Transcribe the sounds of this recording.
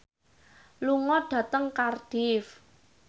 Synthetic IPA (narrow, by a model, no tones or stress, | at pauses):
luŋɔɖ̥ä̤t̪əŋkarɖ̥if